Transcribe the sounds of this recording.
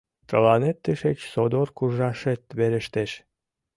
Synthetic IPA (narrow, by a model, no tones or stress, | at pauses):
t̪əlɑnet̪ːəʃet͡ɕsod̪orkuʒɑʃet̪βeɾə̆ʃt̪eʃ